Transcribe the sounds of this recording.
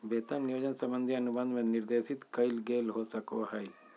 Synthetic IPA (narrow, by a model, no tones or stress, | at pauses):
beːt̪əmnijoːd͡ʒənsɐ̃mbənd̪ʱiɐnubənd̪mẽniɾd̪eːsit̪kɐjlɡelɦosɐkoɦɐj